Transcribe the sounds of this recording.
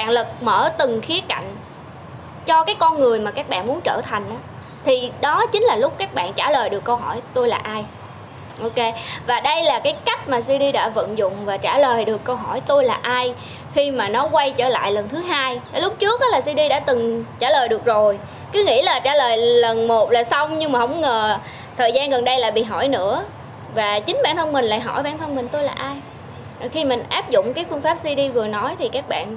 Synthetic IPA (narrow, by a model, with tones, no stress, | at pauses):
ɓaː˧˨nlɨ˨˩k̚mə̰ː˧˩t̪ɨ˨˩ŋxi˨˦əka̰˧˨jŋ̟ | t͡ɕɔ˧kaː˨˦jkɔ˧nŋɨ˨˩əjmaː˨˩kaː˦˥k̚ɓa̰ː˧˨nmu˨˦ənt͡ɕə̰ː˧˩t̪ʰa˨˩jŋ̟ʔaː˨˦ | t̪ʰi˨˩ɗɔ˨˦t͡ɕï˨˦ŋ̟laː˨˩lʊ˦˥k͡p̚kaː˦˥k̚ɓa̰ː˧˨nt͡ɕaː˧˩ləː˨˩jɗɨ˨˩kːə˧wɦɔ˧˩jt̪o˧jlaː˨˩ʔaː˧j | ʔo˧wke˧vaː˨˩ɗə˧jlaː˨˩kaː˨˦jka˦˥jk̚maː˨˩swi˧ɗi˧ɗa̰ː˧˥və̰˧˨nzʊ̰˧˨ŋ͡mvaː˨˩t͡ɕaː˧˩ləː˨˩jɗɨ˨˩əkːə˧wɦɔ˧˩jt̪o˧jlaː˨˩ʔaː˧j | xi˧maː˨˩nɔ˨˦kwa˧jt͡ɕəː˧˩la̰ː˧˨jlə˨˩nt̪ʰɨ˨˦ɦaː˧jʔa˧˩˦lʊ˦˥k͡p̚t͡ɕɨ˦˥ək̚ʔɔː˨˦laː˨˩s̬wi˧ɗi˧ɗa̰ː˧˥t̪ɨ˨˩ŋt͡ɕaː˧˩ləː˨˩jɗɨ˨˩ək̚zo˨˩j | kɨ˨˦ŋḭ˧˥laː˨˩t͡ɕaː˧˩ləː˨˩jlə˨˩nmo˨˩t̚laː˨˩sa˧wŋ͡mɲɨ˧ŋmaː˨˩o̰˧˥wŋ͡mŋəː˨˩ | t̪ʰəː˨˩jzaː˧nɣə˨˩nɗə˧jla̰ː˧˨jɓḭ˧˨ɦɔ̰˧˩jnɨ̰˧˥ə | vaː˨˩t͡ɕï˨˦ŋ̟ɓa̰ː˧˨nt̪ʰə˧nmï˨˩ŋ̟la̰ː˧˨jɦɔ̰˧˩jɓaː˧˨nt̪ʰə˧nmï˨˩ŋ̟t̪o˧jlaː˨˩ʔaː˧j | ʔxi˧mï˨˩ŋ̟ʔaː˦˥p̚zʊ̰˧˨ŋ͡mkaː˨˦jfɨ˧əŋfaː˦˥p̚swi˧ɗi˧vɨ˨˩ənɔ˨˦jt̪ʰi˨˩kaː˦˥k̚ɓa̰ː˧˨n